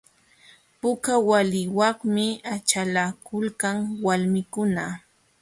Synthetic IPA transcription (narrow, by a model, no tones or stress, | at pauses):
pʊkawalɪwɑŋmɪat͡ʃalakʊlkaŋwalmɪkʊna